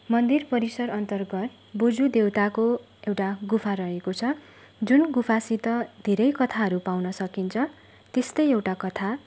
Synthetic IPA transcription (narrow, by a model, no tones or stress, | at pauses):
mʌnd̪irpʌɾisʌɾʌnt̪ʌrɡʌt̪ | bud͡zud̪ewt̪ako | ewʈaɡupʰaɾʌɦekot͡sʰʌ | d͡zunɡupʰasit̪ʌd̪ʱeɾʌjkʌt̪ʰaɦʌɾupawnʌsʌkint͡sʰʌ | t̪est̪ʌjewʈakʌt̪ʰa